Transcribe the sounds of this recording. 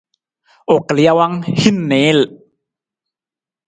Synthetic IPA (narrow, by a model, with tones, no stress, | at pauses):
ʔo˨kli˧a˧˦wa˦˥ŋhi˦˥˩nːe˨˦l